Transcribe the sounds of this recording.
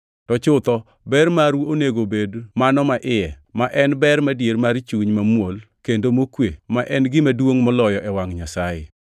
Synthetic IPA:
tɔt͡ʃʊt̪ɔ | bɛrmaɾoneɡobedmanɔmaʔɪjɛmaʔɛnbɛrmadjermart͡ʃuɲmamwol | kendomokwemaʔɛnɡɪmadwoŋmɔlɔjɔʔɛwaŋɲasajɪ̰

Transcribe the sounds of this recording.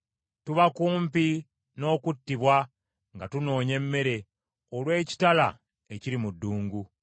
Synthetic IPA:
tuβakuːmpi | no̞ːkutːiβwa | ŋɡatuno̞ːɲe̞mːe̞ɾe̞ | olwe̞ːci̥tala̰ | eciɾimudːuːŋɡu

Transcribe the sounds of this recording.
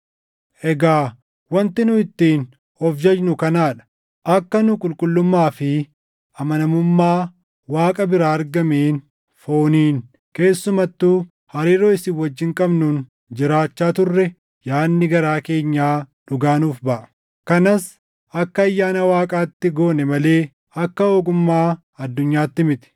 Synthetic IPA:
ʔɛɡaː | wɐnt̪ɪnʊɪt̪ːiːn | hɔfd͡ʒɐd͡ʒnʊkɐnaːᶑɐ̥ | ʔɐkːɐnʊkʼʊlkʼʊlːʊmːaːfɪ | ʔɐmɐnɐmʊmːaː | waːkʼɐbɪɾaːɐɾɡɐmeːn | foːniːn | ke̞ːsːʊmɐt̪ːuː | hɐɾiːɾoːɪsɪwːɐd͡ʒːɪŋkʼɐbnʊn | d͡ʒɪɾaːt͡ʃːaːt̪ʊrːɛ | jaːnːɪɡɐɾaːke̞ːɲːaːᶑʊɡaːnuːfbɐʔɐ̥ | kɐnɐs | ʔɐkːɐːjːaːnɐwaːkʼaːt̪ːɪɡo̞ːnɛmɐle̞ː | ɐkːɐoːɡʊmːaː | ɐd̪ːʊɲːaːt̪ːɪmɪt̪ɪ̥

